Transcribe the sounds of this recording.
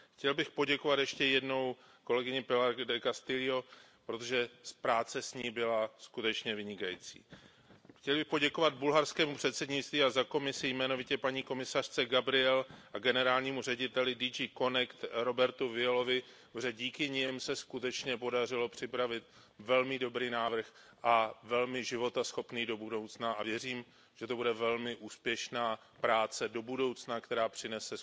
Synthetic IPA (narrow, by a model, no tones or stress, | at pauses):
xcɛlbɪxpo̞ɟɛkovat̪jɛʃcɛjɛdno̞w | ko̞lɛɡɪɲɪpɪlaɾdɛkast̪ɪlɪo̞ | pɾo̞t̪oʒɛspɾaːt͡sɛsɲiːbɪlaskut̪ɛt͡ʃɲɛvɪɲɪkajḭːt͡sḭː | xcɛlbɪxpo̞ɟɛko̞vad̪̚bulɦaɾskɛːmupr̝̥ɛt̪sɛdɲɪtt͡st̪viːazako̞mɪsɪjmɛno̞vɪcɛpaɲiːko̞mɪsar̝̥t͡sɛɡabɾɪɛlʔaɡɛnɛɾaːlɲiːmurɛɟɪt̪ɛlɪdid͡ʒiːko̞nɛkt̪ɾo̞bɛɾt̪uvɪɛlo̞vɪ | rɛɟiːkɪɲɪmsɛskut̪ɛt͡ʃɲɛpo̞dar̝ɪlo̞pr̝̥ɪpɾavɪt̪̚ | vɛlmɪdo̞bɾiːnaːvr̩x | ʔavɛlmɪʒɪvo̞t̪asxo̞pniːdo̞budo̞wt͡snaʔavjɛriːm | ʒ̥ɛt̪o̞budɛvɛlmɪʔuːspjɛʃnaː | pɾaːt͡sɛdo̞budo̞wt͡snakt̪ɛɾaːpr̥ɪnɛsɛ